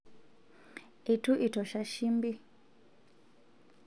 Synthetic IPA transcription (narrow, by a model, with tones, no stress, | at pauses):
i˨tu˦ʔi˨tɔ˨ʃa˦ʃi˦mbi˦